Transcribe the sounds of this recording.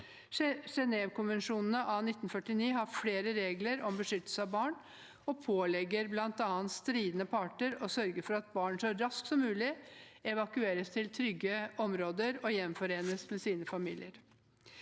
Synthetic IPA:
ʂɛnɛːʋkʊnʋɛnʂuːnn̩əʔɑnɪt̪ːnfœʈɪniːɦɑɾfleːɾəɾeːɡləɾɔmbəʂʏt̪ːəl̩səɑbɑːɳ | ɔpʰoːlɛɡəɾblɑnt̪ɑːnt̪st̪ɾiːd̪nəpʰɑːʈəɾɔsœɾɡəfɔɾɑt̪̚bɑːɳʂɔɾɑsksɔmːʉːlɪɛʋɑkʉeːɾəst̪ʰɪlt̪ʰɾʏɡəɔmɾoːd̪əɾɔjɛmfɔɾeːnəsmɛsiːnəfɑmiːlɪ̰əɾ

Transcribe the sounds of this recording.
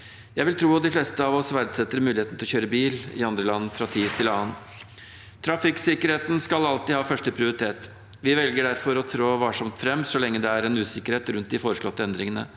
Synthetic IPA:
jæɪʋɪlt̪ʰɾuːɔd̪ɪflɛst̪əɑːʋɔsʋæɾd̪sɛt̪ːəɾmʉːlɪheːt̪nt̪ʰɪlɔçøːɾəbiːlɪ̰ɑnd̪ɾəlɑnːəfɾɑt̪ʰiːʋt̪ʰɪlɑːən | t̪ʰɾɑfɪksɪkːəɾheːt̪nskɑlɑlt̪ɪhɑːfœʂʈəpʰɾɪʊɾɪt̪ʰeːt̪ | ʋɪʋɛlɡəɖæɾfɔɾɔt̪ʰɾoːʋɑʂɑmt̪fɾɛmsɔlɛŋːəd̪ɛæɾɛnʉːsɪkːəɾheːt̪ɾʉnt̪d̪ɪfoːɾəʂɭɔt̪ːəɛnd̪ɾɪŋənə̰

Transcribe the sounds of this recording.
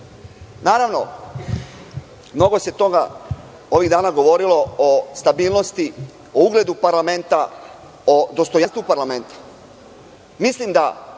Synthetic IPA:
naːɾaʋno̞ | mno̞ɡo̞se̞t̪o̞ɡa | o̞ʋiɣd̪aːnaɡo̞ʋo̞ɾilo̞ost̪abiːlˠno̞st̪i | ouɡle̞d̪upaɾlame̞nt̪a | od̪o̞st̪ojanst̪upaɾlame̞nt̪ḁ | mislimd̪a

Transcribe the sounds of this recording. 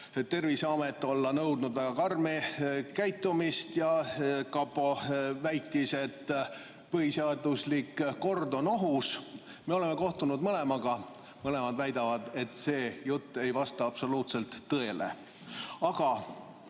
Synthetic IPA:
ett̪ːe̞rviseɑme̞t̪ːˑo̞lːɑnɤwd̪nud̪væɡ̥ɑkɑrmekæjt̪ˑːumist̪jɑkɑpːo̞væjt̪ːˑise̞t̪ː | pɤhiseɑd̪̥uslikːo̞rd̪o̞no̞ɦus | me̞o̞le̞mːe̞ko̞ht̪unud̪mɤle̞mɑɡ̥ɑ | mɤle̞mɑd̪væjd̪ɑvɑd̪̥e̞t̪ˑse̞ːjut̪ːe̞jvɑst̪ɑɑb̥so̞luːt̪se̞lt̪ːɤe̞le̞̰ | ɑɡ̥ɑ

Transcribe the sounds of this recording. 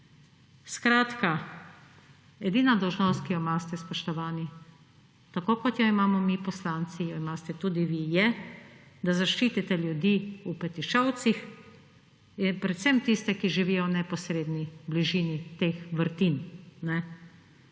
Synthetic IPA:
skɾaːt̪ka | ɛd̪iːnad̪ɔwʒnɔːst̪̚kijɔmaːst̪ɛspɔʃt̪ɔʋaːni | t̪akoːkɔt̪jɔimaːmɔmipɔslaːnt̪sijɔimast̪ɛt̪uːd̪iʋijɛ | d̪azaʃt͡ʃiːt̪it̪ɛljud̪iupɛt̪iʃt͡ʃɔwt̪six | pɾɛt̪sɛmt̪ist̪ɛkiʒiʋiːjɔnɛpɔsɾeːd̪nibliʒiːnit̪exʋəɾt̪innɛ

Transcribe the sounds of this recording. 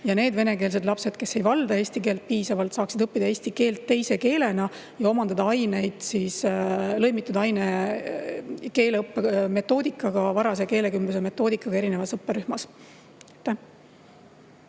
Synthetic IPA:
jɑne̞ːd̪ve̞ne̞ke̞ːls̬e̞d̪lɑpse̞d̪̥ke̞se̞jvɑld̪ɑe̞ːsʲt̪ike̞ːlt̪̚piːsɑvɑlt̪sɑːksid̪̥ɤpːid̪̥ɑeːsʲt̪ike̞ːlt̪ːe̞jse̞ke̞ːle̞nɑ | jɑo̞mɑnd̪̥ɑd̪ɑɑjne̞jd̪̥sislɤ̞jmit̪ːˑud̪ɑɑjne | ke̞ːleɤpːeme̞t̪ːˑo̞ːd̪ikːˑɑɡ̥ɑvɑɾɑseke̞ːle̞kymbus̬eme̞t̪ːˑo̞ːd̪ikːˑɑɡ̥ɑe̞ɾine̞vɑsɤpːˑeɾyhmɑs | et̪ːæ

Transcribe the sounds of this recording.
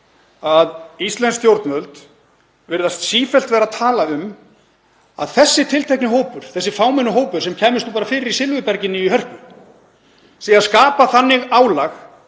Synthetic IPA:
aðist̪lɛnst̪jowɾt̪nœlt̪ | vɪɾðast̪siːfɛlt̪vɛːɾaðt̪ʰaːlaʏm | a̰ðθɛsːɪt̪ʰɪlt̪ʰejknɪhoːwpʏɾ̥θɛsːɪfaːwmɛnːʏɦoːwpʏɾ̥sɛmcʰɛːmɪst̪upaːɾafɪːɾɪɾisɪlvʏpɛɾcɪnːɪiɦœr̥pʏ | siːaðskaːpaθanːɪɣaːwlax

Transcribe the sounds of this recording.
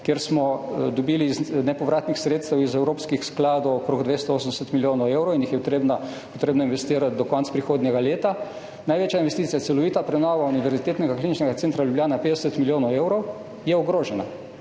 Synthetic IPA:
kjeɾsmɔd̪ɔbiːliznɛpɔʋɾʔaːt̪nixsɾet̪st̪ɛwizɛwɾoːpskixsklaːd̪ɔwɔkɾoːɡd̪ʋest̪ɔoːsənd̪ɛsɛt̪miljoːnɔwewɾɔwinjixjɛt̪ɾebna | pɔt̪ɾeːbnɔinʋɛst̪iːɾat̪̚d̪ɔkɔnt̪spɾixoːd̪nʲɛɡaleːt̪a | najʋeːt͡ʃjainʋɛst̪iːt̪sijat̪sɛlɔʋiːt̪apɾɛnɔʋauniʋɛɾzit̪eːt̪nɛɡakliːnit͡ʃnɛɡat̪ent̪ɾaljubljaːnapeːd̪ɛsɛt̪miljoːnɔweːwɾɔw | jɛɔɡɾoːʒɛna

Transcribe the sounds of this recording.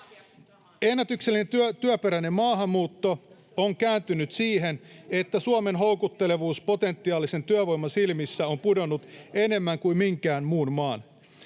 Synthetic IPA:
enːæt̪ykselːinent̪yt̪yøpeɾæne̞mmɑːɦɑmːuːt̪ːo | oŋkæːnt̪ynyt̪siːɦene̞t̪ːæsuome̞nɦo̞uwkut̪ːe̞le̞ʋuːspo̞t̪e̞nt̪ːiɑːlise̞nt̪yæʋo̞jmːɑsilmisːæo̞mpudonːut̪e̞ne̞mːæŋkuimiŋkæːnmuːnmɑːn

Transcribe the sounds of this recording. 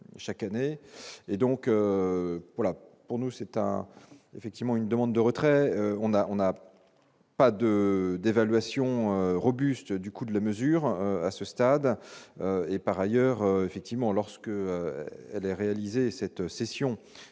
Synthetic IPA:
ʃakaneed̪ɔ̃kø | valapuʁnusɛt̪ɛ̰̃efɛkt̪ivmɑ̃ynd̪əmɑ̃d̪ːəʁət̪χɛøɔ̃naɔ̃na | pad̪əd̪evalɥasjɔ̃øʁɔbyst̪d̪ykud̪əlaməzyʁøa̰səst̪ad̪øepaʁajœʁøefɛk̚t̪ivmɑ̃lɔʁsə̥kəøɛlɛʁealizesɛt̪sesjɔ̃

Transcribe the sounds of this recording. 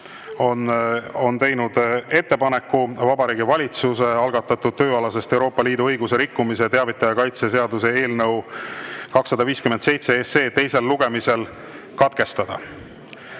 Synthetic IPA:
ono̞nt̪e̞jnud̪̥e̞t̪ːe̞pɑne̞kːuvɑbɑɾiːɡivɑlʲit̪suse̞ɑlɡ̥ɑt̪ːˑɑt̪ːˑud̥̪̚t̪ø̞ːɑlɑse̞st̪e̞wɾo̞ːpːˑɑliːd̪uɤjɡuse̞ɾikːumis̬et̪eɑvit̪ːˑɑjɑkɑjt̪ses̬e̞ɑd̪us̬e̞e̞ːlnɤw | kɑksːɑd̪̥ɑviːskymend̪se̞jt̪se̞ese̞ːt̪e̞jse̞lːuɡ̥e̞mise̞l | kɑt̪̚ke̞st̪ɑd̪̥ɑ̰

